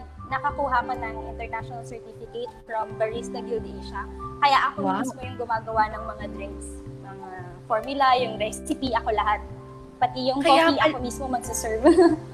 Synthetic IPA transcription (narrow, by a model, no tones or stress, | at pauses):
nɐkɐkuɦamɐnɐnɐŋɪnt̪ɛɹnaʃɔnɐlsɛɹt̪ifɪkɛt̪̚fɾɐmbɐɹist̪ɐɡɪld̪ejʃɐkɐjaʔɐkomismojʊŋɡʊmaːɡɐwanɐŋmɐŋad̪ɾɛksmɐŋa | foɹmjʊlɐjʊŋɾɛssɪpiɐko̞lɐɦat̪̚ | pɐt̪ijʊŋkkopiʔɐkomismomɐɡsʊsɛɹv